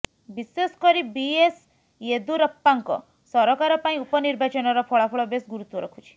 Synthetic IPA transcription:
bisesɔ̥kɔɾibies | ed̪uɾəpːaŋkɔ̰ | sɔɾɔkaɾɔpaĩupɔniɾbat͡ʃɔnɔɾɔpʰɔɭapʰɔɭɔbesɡuɾut̪ɔɾɔ̰kʰut͡ʃʰi̥

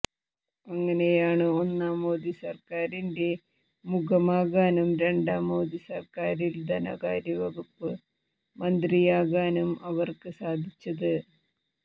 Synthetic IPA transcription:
ɐŋːɐne̞jaːɳɨo̞nːaːmo̞ːd̪isɐrkaːɾinde̞ | muɡɐmaːɣaːnumɾe̞ɳɖaːmoːd̪isɐrkaːɾild̪ʱɐnɐ̰ɣaːɾjɐʋɐɣupːɨ | mɐnd̪rijaːɣaːnumɐʋɐrkɨsaːd̪ʱit͡ɕːɐðɨ

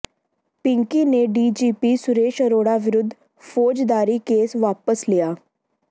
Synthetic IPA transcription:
pɪ̃ŋkiːneɖiːd͡ʒiːpiːsʊɾeːʃəɾoːɽaːʋɪɾʊd̪ʱː | fʰoːd͡ʒd̪aːɾiːkeːsʋaːpəslɪjaː

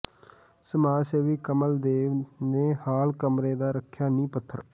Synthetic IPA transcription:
səmaːseːʋiːkəməld̪eːʋnẽːhaːlkəmɾeːd̪aːɾəkʰːjaːnĩːpət̪ʰːəɾ

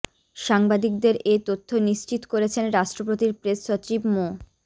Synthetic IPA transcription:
ʃaŋbad̪ik̚d̪eɾet̪ot̪ʰːoniʃt͡ɕit̪okoɾet͡ɕʰenɾaʃʈɾopot̪iɾpɾesːot͡ɕibmo

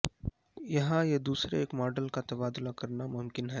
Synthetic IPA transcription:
jɐɦãjed̪uːsɾḛːkmɔːɾɖəlkat̪ɐbaːd̪ʊlakɐɾnamʊmkɪnɦɛː

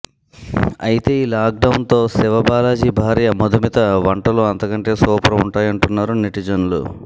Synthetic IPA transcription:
ɐjit̪e̞ːiːlaːk̚ɖɐwnt̪o̞ːsiʋɐbaːlaːd͡ʒibʱaːɾijɐmɔd̪umit̪ɐʋɐɳʈɐluɐnt̪ɐkɐɳʈe̞ːsɔːpɾɐuɳʈaːjɐɳʈunːaːɾuniʈid͡ʒɐnulṵ

